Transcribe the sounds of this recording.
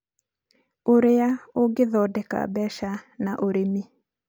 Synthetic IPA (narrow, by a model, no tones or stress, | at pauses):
oɾeaoɡeðɔdɛka̰bɛʃanaʔoɾemi